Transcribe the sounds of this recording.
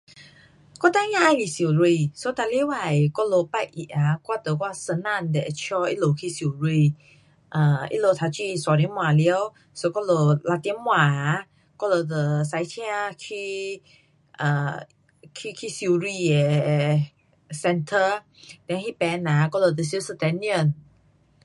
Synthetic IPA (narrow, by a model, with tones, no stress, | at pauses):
kɔ˦t̪a˧˦ɲã˧˨ʔa˧˨li˨si˨ɾi˧˨so˧˦t̪a˧li˦wa˨jkɔ˦lo˧pa˦˧˨jʔḭ˧˨ʔa˨kwa˦˨t̪ə˨ka˧sə˧nã˧˨ndɛ˨t͡ʃʰjɔ˧ʔḭ˦lo˨kʰi˦˧si˧˨ɹi˧˨ | ʔə˨ḭ˦lo˧˨t̪ʰa˧t͡ɕi˦˧˨sa˨ɾi˧˦mw̃a˨li˧˦ə˦w | so˧kɔ˦lo˧˨la˧t̪mw̃a˨a˦ | kɔ˦lo˧t̪ə˨sa˧jtʰɛ̃˦a˧kʰi˧ | ʔə˨ | kʰi˧kʰi˦si˧˨ɹi˧e˨ | sɛ˧ntʰə˧ | d̪ɛ̃˧˦ŋhi˦pɛ˧na˨kɔ˦lo˧t̪ə˨s̬i˧˦sə˧t̪ɛ˧niə̃˨n